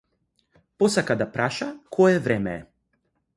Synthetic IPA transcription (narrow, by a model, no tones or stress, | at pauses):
posakad̪apɾaʃakʰɔjɛvɾɛmɛɛ̰